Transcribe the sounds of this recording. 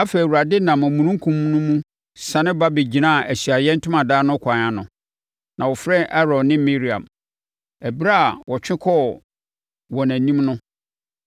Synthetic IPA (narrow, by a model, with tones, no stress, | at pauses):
a˦fe˨u˨ɾa˨dɪ˦nã˨mæ̃˨mũ˨nũ˦ŋ˦kʰũ˦m˦nʊ̃˦mũ˦ | sã˨nɪ̃˦ba˦bi˨d͡ʑi˨nãː˦˨ʔæ˨sɥa˨jɛ˦n̩˦tʰʊ̃˦mã˨daː˦nʊ̃˦kʷʰã˨nã˨nʊ̰̃˨ | nã˨wɔ˨fɾɛ̃˦ʔa˦ɾɔ̃˨nɪ̃˦mi˦ɾi˨ã̰˨m | æ˨bi˦ɾa˦˨wɔ˨t͡ɕᶣɪ̃˦kʰɔ˦˨ | wɔ˨næ̃˨nĩ˦mnʊ̃˦